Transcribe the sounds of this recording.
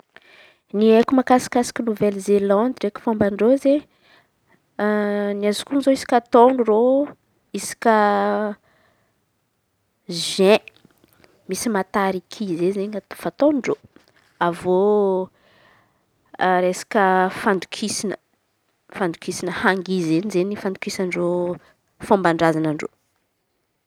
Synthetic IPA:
niekumakasi̥kasi̥kʲənuvɛlzelɑ̃nd̪iɖ͡ʐekfambaɳɖ͡ʐoze | niazukunizoisi̥kʲat̪oɳuro | isi̥kʲə | ʒẽ | misimat̪aɾikʰizezeŋat̪fat̪onɳɖ͡ʐo | avo | ɾesḁkəfand̪ukʰisinə | fand̪ukisinəhaŋɡizenizenifand̪ukisanro | fambaɳɖ͡ʐazanaɳɖ͡ʐo̰

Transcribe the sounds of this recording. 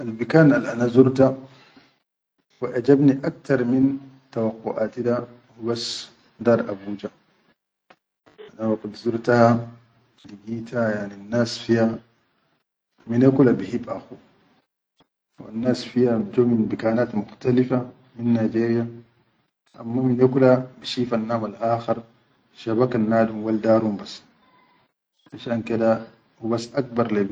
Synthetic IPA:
ʔalbikaːnalʔanazuɾt̪a | waʔad͡ʒabniʔak̚t̪ɑɾˤmin | t̪awaqːuʔaːt̪id̪a | hubas | d̪aːɾˤʔabuːd͡ʒa | ʔanawaɡad̪zuɾt̪aha | liɡiːt̪ahajaʕnianːaːsfiha | minakulabihibʔaxu | wa̰nːaːsfihad͡ʒominbikaːnaːt̪muxt̪alifa | minːaːd͡ʒiːɾija | ʔa̰mːaminjakulabiʃiːfanːaːmalʔaːxɑɾˤ | ʃaβakanːaːdhumwald̪aːɾhumbasː | ʔaʃaːnked̪a | wubasːʔak̚bɑɾˤli

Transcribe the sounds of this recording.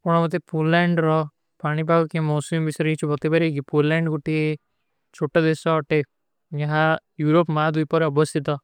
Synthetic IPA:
pɔɽ̃ɔmɔt̪̬epolɛɳɖɾɔ | paːɽ̃ipaɡkemɔːsimbisɾit͡ʃʰubɔk̚t̪ibaɾekipolɛɳɖɡuʈie | t͡ʃʰoʈɔd̪esɔɔʈe | jaɦãjuɾopmad̪ujpɔɾɔbɔst̪ʰit̪ɔ

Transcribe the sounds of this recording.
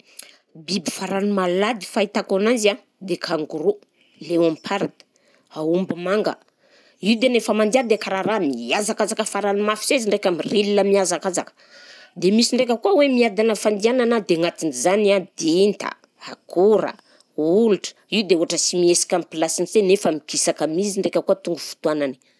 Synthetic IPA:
bibifaɾanumalad̪i̥fait̪akananzia | d̪ekʰaŋɡuɾu | lewampʰaɾat̪ə̥ | aumbamaŋɡə̰ | iud̪enefəmand̪iand̪ekaɾaɾamiazakazakəfaɾanumafi̥seziɳɖ͡ʐekʲamirilinəmiazakazakə̥ | d̪emisiɳɖ͡ʐek̬ʲəkuawemiad̪anəfand̪iananad̪eŋat̪inzanad̪̥int̪a̰ | akuɾə̰ | uluʈ͡ʂə̥iwd̪euaʈ͡ʂəsimiesi̥kʲampilasinizenefəmikisakamiziɳɖ͡ʐekʲəkuət̪uŋɡufu̥t̪uanani̥

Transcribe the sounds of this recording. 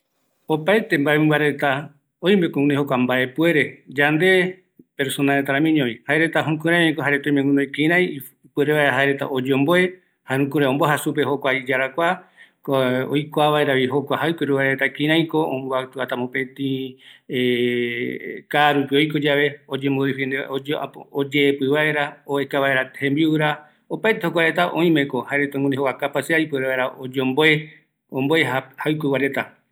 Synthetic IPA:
opaet̪e̞mbaemĩmbaɾet̪a | ojmbekoũneɦokʷambaʔe̞pue̞ɾe̞d͡ʒand̪e̞ | pe̞ɾsonaɾet̪aɾãmĩɲõβihaeɾet̪aɦũkuɾãmẽkoɦaɾet̪õĩmẽŋɡũnojkĩɾãj̃ | pue̞ɾeβaeɾaɦaeɾet̪a̰ʔod͡ʒeõmboe | haɾũkũɾeomboɦasup̬eɦokʷaid͡ʒaɾakʷakoo̰jkʷaβae̞ɾaβiɦokʷaɦajkʷeɾuβaɾeɾet̪akĩɾ̃ãj̃koõmboat̪uat̪amõpẽ̞t̪ĩe | kaːɾupio̞jkod͡ʒaβe̞od͡ʒẽmboɾifnd̪a̰od͡ʒeːpɨβae̞ɾaoekaβae̞ɾahẽmbiuɾa | opaet̪ehok̬ʷaɾe̞t̪aʔõ̰ĩmẽ̞ko̞haeɾet̪ãŋɡũneɦokakapaseajpeɾeβaeɾaod͡ʒomboe | õmboeahawkʷewaɾe̞t̪a

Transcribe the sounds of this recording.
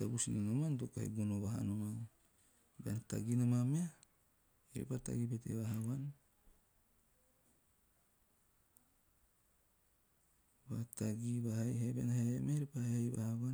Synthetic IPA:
tabusininomandokahḛɡonoβaɦa̰noman | beanta̰ɡinomamea | iɾḛpata̰ɡipetḛβaɦaβan | bataɡiβahajhabenaheemeaiɾipahehajβa̰haβa

